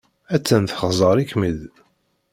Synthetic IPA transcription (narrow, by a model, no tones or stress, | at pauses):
æt͡sːænθχzˤəɾˤikmið